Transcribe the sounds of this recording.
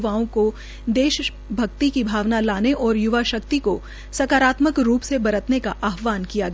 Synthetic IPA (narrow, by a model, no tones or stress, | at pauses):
ʋaːõko | d̪eːʃ | bʱɐkt̪ikibʱaːʋnalaːneʔɔːɾjʊʋaʃɐkt̪iko | sɐkaːɾaːt̪məkɾuːpsebɐɾət̪nekaʔaːɦʋaːnkijaɡɐ